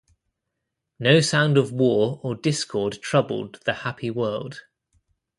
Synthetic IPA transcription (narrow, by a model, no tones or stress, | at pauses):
nəʊsãʊ̃ndəvwɔːɹədɪskʰɔːd̚tʰɹ̥ʌbə̰lˠd̪̚ðəhapʰiwɜːlˠd̥